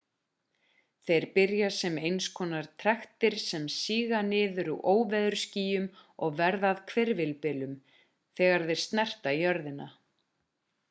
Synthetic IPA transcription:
θejɾpɪɾjasɛmejnskʰɔːnaɾ̥t̪ʰɾɛxt̪ɪɾ̥sɛmsiːɣanɪːðʏɾuʔoːwvɛðʏɾ̥sciːjʏmɔɣvɛɾðaðkʰvɛɾvɪlpɪlʏm | θɛːɣaɾðeɾ̥st̪nɛr̥t̪aijœɾðɪna

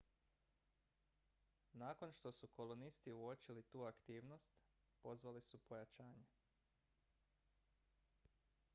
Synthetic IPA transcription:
naːko̞nʃt̪o̞suko̞lonist̪iuot͡ʃilit̪uːakt̪iːʋnost̪ | po̞zʋalisupo̞jat͡ʃaːɲe

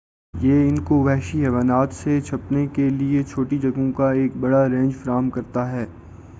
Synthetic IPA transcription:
jeːɪnkoʋɛːɦʃiɦɛːʋaːnaːt̪set͡ʃʰɐpnekeliet͡ʃʰoːʈid͡ʒɐɡõkaeːk̚bɐɽaɾẽːɲd͡ʒfɐɾaːɦmkɐɾt̪aɦɛː

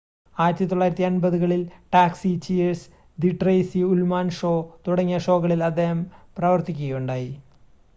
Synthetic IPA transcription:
aːɾɐt̪jɐt̪ːoɭːaːjiɾɐt̪ːiɐnbɐðuɣɐɭilʈaːksit͡ɕies | d̪iʈrɐjsiulmaːnʂo̞ːt̪uɽɐŋːijɐʂo̞ːɣɐɭilɐd̪ːe̞ːhɐmprɐʋɐrt̪ikʲːuɣɐjuɳɖaːji

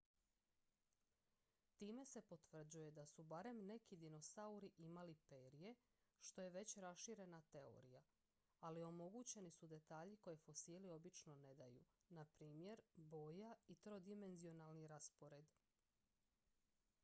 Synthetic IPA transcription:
t̪iːme̞se̞po̞t̪ʋr̩d͡ʑuje̞d̪asubaɾe̞mne̞kid̪ino̞sauɾiʔimalipe̞ːɾije̞ | ʃt̪o̞je̞ʋe̞t͡ɕɾasʃiɾe̞nat̪e̞o̞̰ɾija | alio̞mo̞ɡut͡ɕe̞nisud̪e̞t̪aːʎiko̞je̞fo̞siːlio̞bit͡ʃno̞ne̞d̪ajṵ | napɾiːmje̞ɾbo̞ːjait̪ɾo̞d̪ime̞nzio̞nalˠniɾaspo̞ɾe̞d̪

